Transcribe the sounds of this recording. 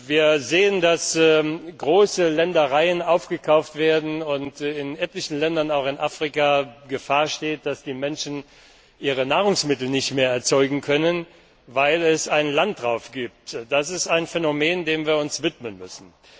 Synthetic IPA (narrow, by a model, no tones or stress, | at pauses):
viːɐzeːəndasɡʁoːsəlɛndɐʁaɪənaʊfɡ̥əkʰaʊftv̥eːɐdn̩ʊntɪnʔɛtlɪçn̩lɛndɐnaʊxɪnʔaːfʁ̥ikaɡəfaːɐʃteːt̚d̥asd̥iːmɛnʃn̩ | ʔiːʁənaːʁ̞ʊŋsmɪtl̩nɪçtmeːɐɛɐt͡sɔʏɡŋ̩kʰœnən | vaɪlɛsaɪnlant̚d̥ʁaʊfɡ̥iːp̚td̥asɪstaɪnfɛnomeːndeːmviːɐʊnsv̥ɪtmənmʏ̰sn̩